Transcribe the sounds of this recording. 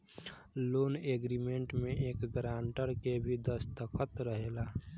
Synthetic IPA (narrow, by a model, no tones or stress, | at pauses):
loːneːɡɾimẽɳʈmẽʔeːkɡɾãːɳʈəɾkebʱid̪əst̪əkʰət̪ɾəɦeːlaː